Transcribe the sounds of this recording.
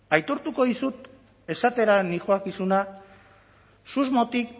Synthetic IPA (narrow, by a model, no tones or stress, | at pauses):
ajt̪o̞ɾt̪uko̞ðisut̪ | e̞sat̪e̞ɾanixoakisuna | suzmo̞t̪ik